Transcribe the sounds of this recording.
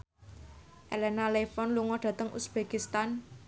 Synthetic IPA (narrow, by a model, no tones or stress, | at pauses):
ʔelɛnalefɔnluŋɔɖ̥ä̤t̪əŋṵsb̥ekist̪an